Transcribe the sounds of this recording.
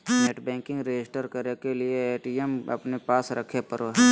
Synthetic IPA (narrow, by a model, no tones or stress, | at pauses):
neʈbɛ̃ːŋkɪ̃ŋɡɾed͡ʒɪsʈəɾkəɾekelieeːʈiemɐ̰pnepaːsɾɐkʰepɐɾoɦɛː